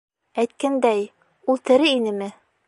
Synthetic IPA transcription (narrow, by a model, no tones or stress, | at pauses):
æjt̪̚kænd̪æj | ulˠt̪ɘ̆ɾɘinɘmɘ